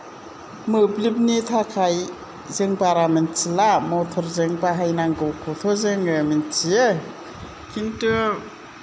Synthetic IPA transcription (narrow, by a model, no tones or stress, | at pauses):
mɯblip̚nit̪ʰakʰaj | zeŋbaɾamint͡silamɔt̪ʰɔɾzeŋbaɦajnaŋɡɯwkʰut̪ʰɔzeŋɯmint͡ʃie | kʰintɯ